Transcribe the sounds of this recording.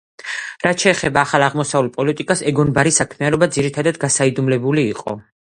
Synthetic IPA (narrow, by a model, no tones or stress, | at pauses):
ɾat̪ʃɛːχɛbaːχalˠaʁmɔsavulˠpʼɔlit̪ʼikʼasɛɡɔnbaɾisakʰmianɔbad̪ziɾit̪ʰad̪ad̪ɡasaid̪umlɛbuliːqʼɔ̰